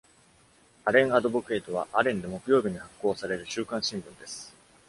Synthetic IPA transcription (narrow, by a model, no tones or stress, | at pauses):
aɾẽ̞ɰ̃ad̪o̞bokɯ̟e̞ːt̪o̞β̞aʔaɾẽ̞nd̪e̞mo̞kɯjo̞ːbʲiɲ̟ihakːo̞ːsaɾe̞ɾɯ̟ɕɨːkãɰ̃ɕĩmbɯ̟̃nd̪e̞sɨ̥